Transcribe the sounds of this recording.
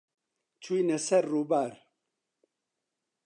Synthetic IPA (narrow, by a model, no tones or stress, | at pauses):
t͡ʃʰujnɛsɛɾːuːbaːɾ